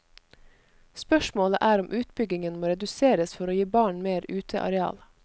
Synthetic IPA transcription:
spœʃmoːlə̰ʔæːɾʊmʔʉːt̪bʏɡɪŋənmoːɾɛd̪ʉseːɾəsfɔɾoːjiːbɑːɳmeːɾʉːt̪ʰə̰ʔɑ̰ɾɛɑ̰ːl

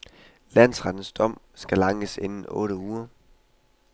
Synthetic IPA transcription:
læn̰sʁad̥n̩sd̥ɒ̽m̰ | sɡ̥ælɑ̈ŋəsenn̩ɔ̰̽ːɾəuːɐ

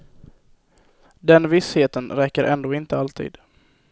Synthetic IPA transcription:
d̪ɛnvɪsheːt̪ənɾɛkːəɾʔɛnd̪oːɪnt̪əalt̪ʰḭːd̪̥

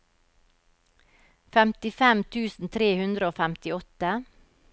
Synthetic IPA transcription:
fɛmt̪ɪfɛmt̪ʰʉːsn̩t̪ʰɾeːhʉnd̪ɾəoːfæmt̪ɪɔt̪ə

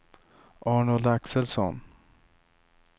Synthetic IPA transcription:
ʔɑːɳʊlaksəlsɔ̰n

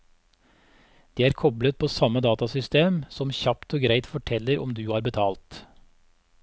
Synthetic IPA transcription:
d̪̥iːæːɾkʰɔblət̪̚pʰoːsɑməd̪ɑːt̪ɑsʏst̪eːmsɔmçɑpt̪ʰoːɡɾæɪt̪fɔʈʰɛləɾɔ̰md̪ʉːhɑːɾbət̪ʰɑːlt̪

